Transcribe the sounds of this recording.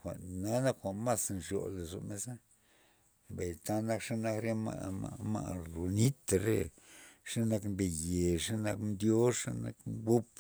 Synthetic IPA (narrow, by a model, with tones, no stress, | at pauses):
xʷa̰˨ʔna˦na˦kxʷa˨ma˦snʂjo̰˨le˨zo̰˨me˦za˦ | mba˨jt̪a˦na˦kʂa˦na˦kɾe˦ma̰˧a̰˧ma̰˧lu˨ni˦t̪a˨ɾḛ˦ | ʂa˦na˧kmbe˨je˨ʂa˦na˧˦knd̪jo˦ʂa˦na̰˧kbu˦p